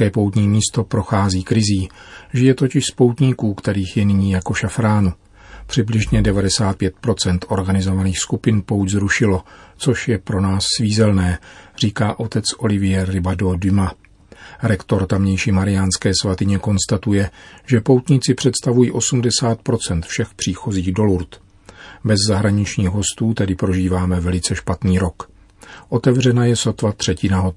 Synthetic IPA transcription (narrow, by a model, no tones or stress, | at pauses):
kɛːpo̞wt̪ɲiːmiːst̪o̞pɾo̞xaːziːkɾɪziːʒɪjɛt̪ocɪʃspo̞wt̪ɲiːkuːkt̪ɛɾiːxjɛnɪɲiːjako̞ʃafɾaːnu | pr̝̥ɪblɪʒɲɛdɛvadɛsaːt̪̚pjɛt̪̚pɾo̞t͡sɛnt̪ʔo̞ɾɡanɪzo̞vaniːxskupɪnpo̞wczɾuʃɪlo̞t͡so̞ʃjɛpɾo̞naːsːviːzɛlnɛːr̝̥iːkaːʔo̞t̪ɛt͡sʔo̞lɪvɪjɛːɪbado̞dɪma | ɾɛkt̪o̞ɾt̪amɲɛjʃiːmaɾɪjanskɛːsvat̪ɪɲɛko̞nst̪at̪ujɛʒɛpo̞wt̪ɲɪtt͡sɪpr̝̥ɛt̪st̪avujiːʔo̞sumdɛsaːt̪̚pɾo̞t͡sɛnt̪fʃɛxpr̝̥iːxo̞ziːɣdo̞luɾt̪ | bɛzːaɦɾaɲɪt͡ʃɲiːɣɦo̞st̪uːt̪ɛdɪpɾo̞ʒiːvaːmɛvɛlɪt͡sɛʃpat̪niːɾo̞k | ʔo̞t̪ɛvrɛnajɛso̞t̪vat̪r̝̥ɛcɪnaɦo